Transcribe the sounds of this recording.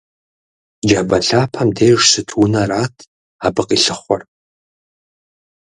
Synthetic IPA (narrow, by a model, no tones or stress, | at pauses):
d͡ʒɐbɐɬaːpʰɐmdeːjʒsɨtʰwʊnɐraːtʰ | aːbɨqʼiːɬɨχʷɔr